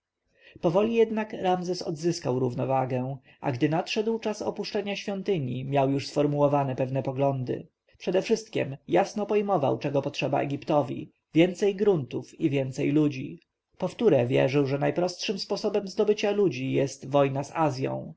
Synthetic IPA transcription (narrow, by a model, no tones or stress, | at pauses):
pɔvɔlʲijɛd̪nakɾamzɛsɔ̰d̪zɘskawɾuvnɔvaɡɛ | ʔa̰ɡd̪ɘnatʂɛd̪wt͡ʂasɔ̰puʂt͡ʂɛɲaɕfʲjɔnt̪ɘɲimʲjawjuʂsfɔɾmuɔvanɛpɛvnɛpɔɡlɔnd̪ɘ̰ | pʂɛd̪ɛfʂɘst̪̚kʲɛ̰mjasnɔpɔjmɔva̰wt͡ʂɛɡɔpɔtʂɛba̰ɛ̰ɡʲipt̪ɔvʲḭ | vʲjɛnt̪sɛjɡɾunt̪ufivʲjɛnt̪sɛjlud͡ʑḭ | pɔft̪uɾɛvʲjɛ̰ʐɘwʐɛnajpɾɔst̪ʂɘmspɔsɔbɛmzd̪ɔbɘt͡ɕalud͡ʑijɛst̪vɔjnasazʲjɔ̰̃w̃